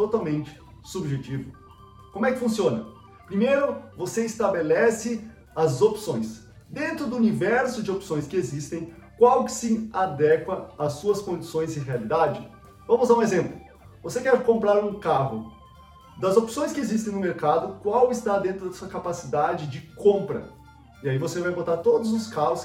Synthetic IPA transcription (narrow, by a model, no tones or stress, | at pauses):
t̪ot̪awmẽnt͡ʃɪ̥ | subʒet͡ʃivʊ | kõmʊɛkɪ̥fũsiõnɐ̰ | pɾimejɾʊvoseɪst̪abelɛsɪ | ɐzopsõj̃s | d̪ẽnt̪ɾʊd̪ʊunivɛɾsʊd͡ʒɪopsõj̃skɪezist̪ẽj̃kwawkɪ̥sɪad̪ɛkwɐasuɐskõd͡ʒisõj̃zɪɦealid̪ad͡ʒɪ | vɐ̃mʊuzaɾũezẽmplʊ | vosekɛɾkõmpɾaɾũkaɦʊ | d̪ɐzopsõj̃skɪezist̪ẽj̃nʊmeɾkad̪ʊkwawɪst̪ad̪ẽnt̪ɾʊd̪ɐsuɐkapasid̪ad͡ʒɪd͡ʒɪkõmpɾɐ̰ | iaivosevajbot̪aɾt̪od̪ʊzʊskaɦʊs